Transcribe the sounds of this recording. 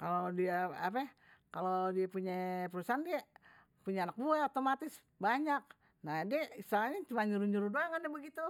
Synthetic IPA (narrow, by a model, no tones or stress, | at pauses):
kalodiaa̰pɛ | kalodiapuɲapəɾusaɦandia | puɲaanak̚buɛot̪omat̪ɪs | baɲak̚ | nadiɛist̪alɲat͡ʃumaɲuɾuɲuɾudoaŋandɛbəɡit̪u